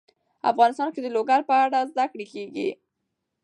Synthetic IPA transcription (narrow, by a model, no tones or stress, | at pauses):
a̰fɣɑnɪst̪ɑnked̪əloɡaɾpəaɽazd̪akɽekeɡḭ